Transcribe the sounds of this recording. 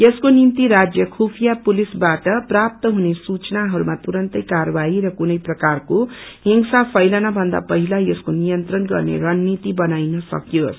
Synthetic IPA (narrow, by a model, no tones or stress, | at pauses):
jʌskonint̪iɾad͡zjʌkʰupʰijapulisbaʈʌprap̚t̪ʌɦunesut͡snaɦʌɾumat̪uɾʌnt̪ʌjkarʌbaiɾʌkunʌjprʌkarkoɦiŋsapʰʌjlanabʱʌnd̪a̰pʌɦilajeskonijʌnt̪ɾʌnɡʌrnḛɾʌnːit̪ibʌnajnʌsʌ̰kjos